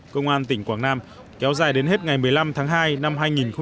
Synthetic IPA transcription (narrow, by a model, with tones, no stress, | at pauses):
kə˧wŋ͡mʔaː˧nt̪ï˧˩ŋ̟kwaː˧˩ŋnaː˧m | kɛ˨˦wzaː˨˩jɗe˨˦nhe˦˥t̚ŋa˨˩jmɨ˨˩əjla˧mt̪ʰaː˨˦ŋɦaː˧jna˧mɦaː˧jŋi˨˩nxə˧ŋ͡m